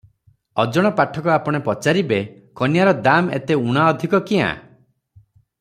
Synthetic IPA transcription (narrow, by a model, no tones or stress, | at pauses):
ɔd͡ʒɔɽ̃ɔpaʈʰɔkɔapɔɽ̃epɔt͡ʃaɾibekɔnjaɾɔd̪amḛt̪euɽ̃aɔd̪ʱikɔkiã̰